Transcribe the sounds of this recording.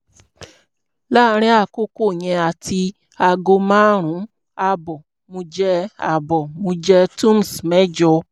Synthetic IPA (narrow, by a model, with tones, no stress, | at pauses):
la˦ɾ̃ĩ˧˦a˦˨ko˦ko˦˨j̃ɛ̃˧a˨ti˧ | a˧ɡo˧mã˦ɾ̃ũ˨˦ | a˧bɔ˨ | mõ˧d͡ʒɛ˧˦a̰˨bɔ˨mõ˧d͡ʒɛ˧tũ˦m˨smɛ̃˦d͡ʒɔ˧